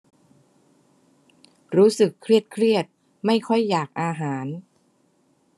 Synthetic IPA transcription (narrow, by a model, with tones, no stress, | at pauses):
ɾuː˦˥sɯ˨˩kʰːɾi˥˩ət̪̚kʰɾi˥˩ət̪̚ | ma˥˩jkʰɔ˥˩jːaː˨˩k̚ʔaː˧ɦaː˩˦n